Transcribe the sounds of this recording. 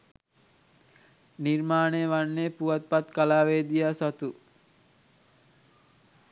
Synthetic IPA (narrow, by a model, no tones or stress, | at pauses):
nirmaːneʋanːepuʋat̪̚pat̪kalaːʋeːd̪ijasat̪u